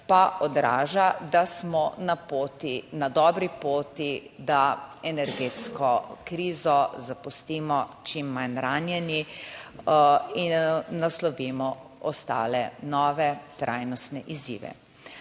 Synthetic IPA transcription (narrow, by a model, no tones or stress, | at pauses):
paʔɔd̪ɾa̰ːʒad̪asmɔnapot̪inad̪ɔːbɾipoːt̪id̪aɛnɛɾɡeːt̪skɔkɾiːzɔzapust̪iːmɔt͡ʃimːanɾaːnjɛni | inːaslɔʋimɔɔst̪a̰ːlɛnɔːʋɛt̪ɾʔa̰jnɔst̪nɛʔizḭːʋɛ̰